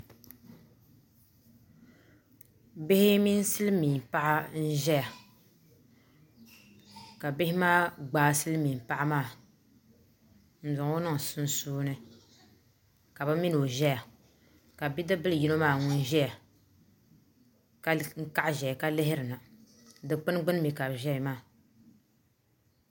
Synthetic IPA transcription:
be˦hɪ˦mi˦n˦sɨ˦lɨ˦miː˨m˨pa˦ʔa˦n̩˦ʒɛ˦ja˨ | ka˨bɪ˦hɪ˦maː˦ɡ͡baː˨˦sɨ˦lɨ˦mi˨m˨pa˦ʔa˦maː˦˨ | n̩˨zʊ˨ŋ˦o˦nɨ˦ŋ˨sɨ˦n˦suː˦nɨ˦ | ka˨bɨ˦mi˦n˨o˨ʒɛ˦ja˨ | ka˨bi˦dɨ˦bɨ˦lɨ˨ji˦no˦maː˦˨ŋʊ˦n˦ʒɛ˦ja˨ | ka˦ŋ̩˦ka˦ʔʒɛ˨ja˨ka˦lɪ˦hɪ˦ɾɨ˨na˨ | dɨ˨k͡pɨ˦n˦ɡ͡bɨ˦n˦mi˨ka˨bʒɛ˦i˨maː˦˨

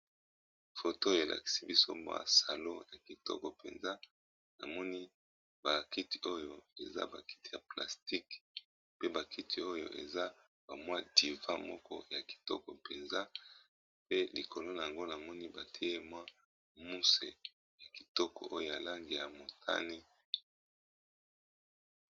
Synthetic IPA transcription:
fo˨to˦˨e˨lʔa̰˨ki̥˨si˦bi˦so˦mwa̰˦sa˨lo˦ja˨ki˨tɔ̰˦kɔ˨pe˨nza˦ | na̰˨mɔ˦ni˦ | ba˨ki˦ti̥˨o˦jo˦e˨za̰˦ba˨ki̥˦ti˨ja˨pla˨sti˦k | pe˦ba˨ki˦tʰi˨o˦jo̰˦˨ʔḛ˨za˦ | ba˨mwa˦di˨vã̰˦mɔ˦kɔ̰˦ja˨ki̥˨tɔ̰˦kɔ˨pe˨nza˦ | pe˦li˨ko˨lo˦na˨a˨ŋɡo˦na˨mɔ˦ni˦ba˨tʰi˦e˦mwa˦ | mu˦sḛ˨ | ja˨ki̥˨tɔ˦kɔ̰˨ʔo˦jo˦˨ja˨la˦ŋɡi˨ja˨mo˨tʰa̰˦ne˦

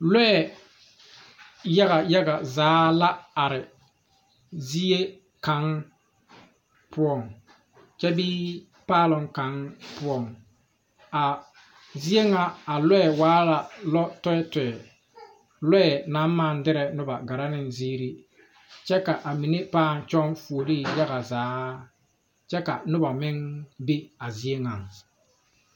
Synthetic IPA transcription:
lɛ˦ɛ˨ | ja˦ɣa˨ja˦ɡa˨zaː˨˦la˦a˨ɾɪ˨ | zi˦e˦ | ka˨˦ŋ | pʊ˦ɔ˨ŋ | t͡ʃɛ˦biː˦ | paː˦lʊ˨ŋka˨˦ŋpʊ˦ɔ˨ŋ | a˨ | zi˦e˦ŋa˨a˨lɛ˦ɛ˨waː˦la˨lɔ˦tɔ˦ɛ˦tɛ˨ɛ˨ | lɛ˦ɛ˨na˨˦mː˦a˦˨ndɪ˦ɾɛ˨nʊ˦ba˨ɡa˨ɾa˦nɪ˨nziː˦ɾi˦ | t͡ʃɛ˦ka˨ʔa˨mi˨ne˦paː˦˨n˨t͡ʃɔ˦ŋfu˨o˨li˦˨ja˦ɣa˨zaː˨˦ | t͡ʃɛ˦ka˨nʊ˦ba˨mɪ˦ŋbe˦a˨zi˦e˦ŋa˨ŋ

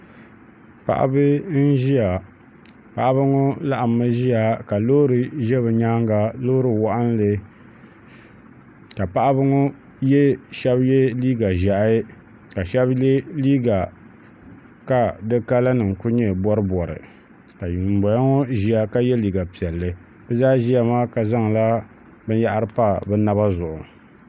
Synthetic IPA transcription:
pa̰˨ʔa̰˦bɨ˦n̩˦ʒi˦a˨ | pa̰˨ʔa˦bɨ˦ŋʊ˦la˦ʔa˨mːɨ˦ʒi˦a˨ka˨loː˦ɾɨ˨ʒɛ˦bɨ˨ɲa˦ŋɡa˨loː˦ɾɨ˨wa˦ʔa˦n˦lɨ˦ | ka˨pa˦ʔa˦bɨ˦ŋɔ˦ | jɛ˦ʃɛ˦bjɛ˦liː˦ɡa˨ʒa˨ʔ | ka˨ʃɛ˦bɛ˦liː˦ɡa˨ | ka˨dɨ˦ka˦la˦nɨ˨ŋ˨kʊ˦ɲɛ˦˨bɔ˦ɾɨ˦bɔ˨ɾɨ̰˨ | ka˨ji˨m˨bɔ˨ja˦ŋɔ˦ʒi˨a˦ka˦jɛ˦liː˨ɡa˨pi˨ɛ˨lːɨ˨ | bɛ˦zaː˦ʒi˦ja˦˨maː˦ka˨za˦ŋ˨la˦ | bɨ˦n˦ja˦ʔa˦ɾɨ˦pa˦bɛ˦na˦βa˦zʊ˨ʔʊ̰˨

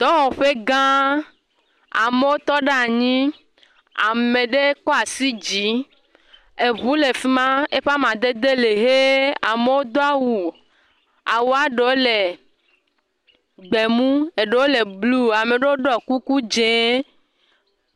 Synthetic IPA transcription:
t̪ɔ˦wɔ˨ɸe˦ɡã˦ | a̰˨me˦wo˦t̪ɔ˦ɖa˦˨ɲĩ˦ | a˨mẽ˨ɖe˦kɔ˦a˨si˦d͡ʑi˨˦ | e˨βu˦le˨fi˦mã˦e˦ɸa˦mã˨d̪e˦d̪e˦le˨ɦe˦a˨me˦wo˦d̪o˦a˦wu˨ | a˨wo˨˦a˦ɖe˨wo˦le˨ | ɡ͡be˨mũ˦e˨ɖe˨wo˦le˨blu˦a˨me˨ɖe˦wo˦ɖɔ˦ku˦ku˦d͡ʒẽ˨˦

